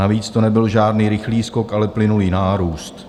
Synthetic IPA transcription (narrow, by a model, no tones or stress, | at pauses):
aviːt͡st̪onɛbɪlʒaːdniːɾɪxliːsko̞kʔalɛplɪnuliːnaːɾuːst̪